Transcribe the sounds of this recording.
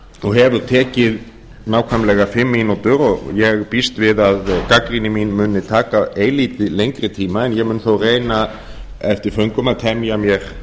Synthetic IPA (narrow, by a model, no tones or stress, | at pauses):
ɔɣɦɛvʏɾt̪ʰɛːcɪð | naːwkʰvajmlɛɣafɪmːinot̪ʏɾɔɣjɛɣpist̪vɪðaðkakɾinɪmiːnmʏnɪt̪ʰaːkaeːjliːt̪ɪlejŋkɾɪt̪ʰiːmaɛnjɛɣmʏːnθowreːjna | ɛft̪ɪɾ̥fœɥŋkʏmaðt̪ʰɛmjamjɛɾ̥